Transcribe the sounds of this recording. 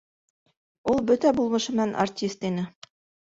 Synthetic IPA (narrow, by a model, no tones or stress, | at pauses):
ulˠbɵt̪æbulˠmɤ̆ʃɤ̆mɘ̆nænʔa̰rtʲist̪inɘ